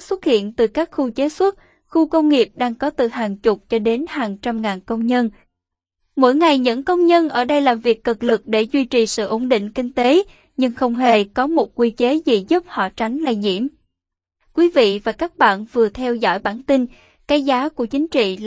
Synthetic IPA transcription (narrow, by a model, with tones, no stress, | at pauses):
swə˦˥t̚hḭ˧˨ənt̪ɨ˨˩kaː˦˥k̚xu˧t͡ɕe˨˦swə˦˥t̚ | xu˧kə˧wŋ͡mŋi˨˩əp̚ɗaː˧ŋkɔ˨˦t̪ɨ˨˩ɦaː˨˩ŋt͡ɕʊ˨˩k͡p̚t͡ɕɔ˧ɗe˨˦nhaː˨˩ŋt͡ɕa˧mŋaː˨˩nkə˧wŋ͡mɲə˧n | mo̰˧˥jŋa˨˩jɲə̰˧˥nkə˧wŋ͡mɲə˧nʔəː˧˩ɗə˧jlaː˨˩mvi˨˩əkːɨ˨˩k̚lɨ˨˩k̚ɗe˧˩zwi˧t͡ɕi˨˩sɨ̰˧˨ʔo˧˩nɗḭ˧˨ŋ̟kï˧ŋ̟t̪e˨˦ | ɲɨ˧ŋxə˧wŋ͡mɦe˨˩kɔ˨˦mo˨˩t̚kwi˧t͡ɕe˨˦zi˨˩zu˦˥p̚hɔ̰˧˨t͡ɕa˨˦jŋ̟la˧˩ɲḭ˧˨əm | kwi˨˦vḭ˧˨vaː˨˩kaː˦˥k̚ɓa̰ː˧˨nvɨ˨˩ət̪ʰɛ˧wzɔ̰˧˥˨jɓaː˧˩nt̪ï˧n | ka˨˦jzaː˨˦ku˧˩ət͡ɕï˨˦ŋ̟t͡ɕḭ˧˨